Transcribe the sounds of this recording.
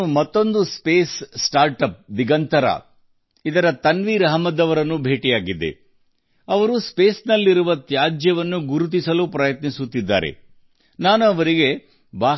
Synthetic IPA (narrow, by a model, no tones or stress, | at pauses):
umɐt̪ːo̞nd̪uspeːsːʈaːɾʈɐp̚d̪iɡɐnt̪ɐɾɐ̰ | id̪ɐɾɐt̪ɐnʋiːɾɐɦɐmɐd̪ɐʋɐɾɐnːubʱe̞ːʈijaːɡid̪ːḛ | ɐʋɐɾuspe̞ːsnɐlːiɾuʋɐt̪jaːd͡ʒjɐʋɐnːuɡuɾut̪̬isɐlupɾɐjɐt̪nisut̪ːid̪ːa̰ːɾḛ | naːnuɐʋɐɾiɡe̞ | baː